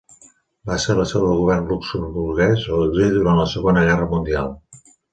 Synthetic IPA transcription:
baseɾləsɛwðəlˠɣuβ̞ɛrnluksəmbuɾɣɛzoəʒiðuɾantləsəɣonəɣɛrəmund̪ialˠ

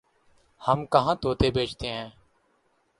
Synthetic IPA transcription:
həmkəɦãːt̪oːt̪eːbeːt͡ʃt̪eːɦɛ̃ː

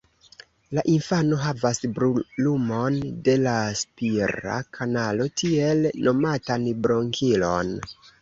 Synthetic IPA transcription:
laʔinfano̞ɦavasbɾulumo̞nde̞laspiɾa̰kʰanalo̞tʰie̞lno̞matanbɾo̞ŋkʰilo̞̰n

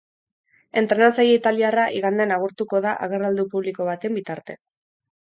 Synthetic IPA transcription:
e̞nt̪ɾe̞nant͡saje̞it̪aliaraʔiɣand̪enaɣ̞uɾt̪uko̞ðaʔaɣ̞e̞rald̪upuβliko̞β̞at̪e̞mbit̪aɾt̪e̞s

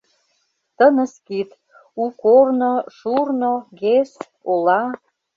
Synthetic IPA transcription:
t̪ənə̆skit̪ | ukornoʃurnoɡes | olɑ

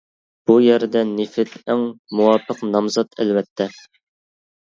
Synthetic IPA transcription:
b̥ujæɾɪd̪ɛnɪfɪt̪æŋmuwɑːpʰəqnɑmzɑt̪ʰæ̰lwɛt̪ʰːɛ

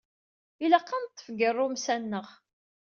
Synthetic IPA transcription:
iləqːɑnt̪ˤːə̥fɡərˤːʊmsænːəʁ

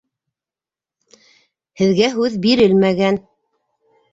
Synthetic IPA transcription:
hɘ̆ðɡæɦʉðbiɾɘlmæɡæn

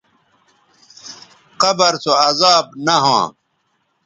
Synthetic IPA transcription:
qɐbɐɾsoɐzaːb̚nɐɦõ

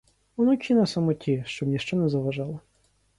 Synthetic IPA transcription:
ɔnɔkʰʲinɐsɐmɔtʲʰiʃt͡ʃɔbnʲiʃt͡ʃɔnɛzɐʋɐʒɑlˠɐ

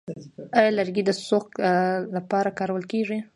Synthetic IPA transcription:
ajalaɾɡid̪əsoklapɑɾakɑɾawəlkeʐi

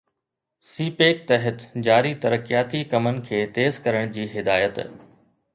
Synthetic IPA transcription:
siːpeːk̚t̪ɐɦɪt̪d͡ʑaːɾit̪ɐɾəkijaːt̪ikɐmənɪ̆kʰeːt̪eːzkɐɾəɽ̃d͡ʑiːɦɪd̪aːjət̪

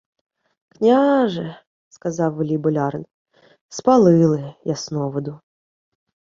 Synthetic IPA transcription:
knʲaʐɨ | skazɑlvlʲibʊlʲaɾən | spɐlˠɨlˠɨjasnovəd̪u

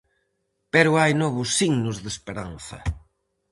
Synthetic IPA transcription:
peɾʊajnɔβʊsːiɣnʊzðespeɾanθɐ̰

